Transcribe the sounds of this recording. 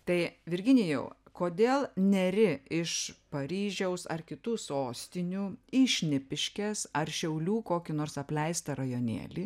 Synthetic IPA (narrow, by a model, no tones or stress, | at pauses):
t̪ɐɪʋʲɪɾʲɡʲɪnʲɪjɛ̰ʊkoːd̪ʲeːlˠnʲɛɾʲɪɪʃpɐɾʲiːʒʲɛʊsɐ̰rkʲɪt̪uːsoːsʲt̪ʲɪnʲuːiːʃʲnʲɪpʲɪʃʲkʲɛsɐrʃʲɛʊlʲuːkoːkʲɪnoːrsɐpʲlʲɛɪst̪ɐɾɐjoːnʲḛːlʲiː